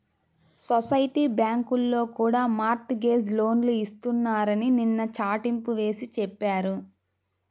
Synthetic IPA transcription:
sosɐjʈiːbjaːŋkulːo̞ːkuːɽaːmaːɾʈɡe̞ːs̬lo̞ːnluist̪unːaːɾɐnininːɐt͡ʃaːʈimpuʋe̞ːsit͡ʃɛpːaːɾu

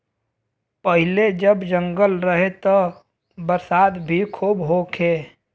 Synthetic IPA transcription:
pəɦɪled͡ʒəbd͡ʒə̃ŋɡəlɾəɦet̪o | bəɾsaːd̪bʱikʰuːbɦokʰeː

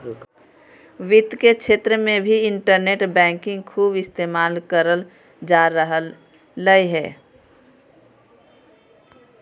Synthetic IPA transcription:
ʋɪt̪ket͡ʃʰeːt̪ɾəmẽbʱiɪɳʈəɾneʈbɛ̃ːŋkɪ̃ŋɡkʰuːbɪst̪eːmaːlkəɾəl | d͡ʒaːɾəɦəlː | əiɦɛː

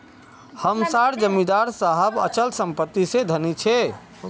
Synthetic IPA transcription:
həmsaɾd͡ʒəmid̪aɾsaɦəbə̰t͡ʃəlsəmpət̪ːised̪ʱənit͡ʃʰɛ

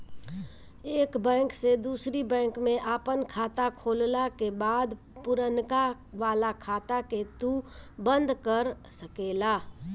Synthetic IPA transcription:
eːkbɛ̃ːŋksed̪uːsɾibɛ̃ːŋkmẽʔaːpənkʰaːt̪akʰoːllakebaːd̪ | pʊɾənka | ʋaːlakʰaːt̪aket̪ubə̃nd̪ʱkəɾsəkeːlaː

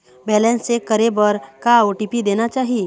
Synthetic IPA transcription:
bɛːlɛ̃nsekəɾebəɾkaoʈipid̪eːnat͡ʃaːɦie

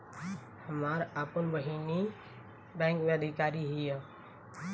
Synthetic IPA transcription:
həmaːɾaːpənʋəɦiːni | bɛ̃ːŋkmẽəd̪ʱɪkaːɾiɦija

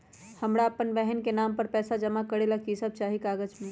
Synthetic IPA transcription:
həmɾaəpənbɛɦənkenaːmpəɾpɛːsad͡ʒəmakəɾelakisəb̚t͡ʃaːɦikaːɡəd͡ʒme

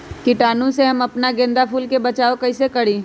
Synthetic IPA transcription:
kɪʈaːnõseɦɐmɐpnaɡẽːnd̪apuːlkebɐt͡ʃaːokɐisekɐɽiː

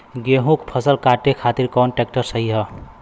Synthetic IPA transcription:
ɡeɦũkpʰəsəlkaʈekʰat̪iɾkɔnʈek̚ʈəɾsəɦiɦə

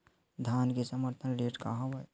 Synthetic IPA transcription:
d̪ʱaːnkesəməɾt̪ʰənɾeːʈka̰ɦɐʋəj

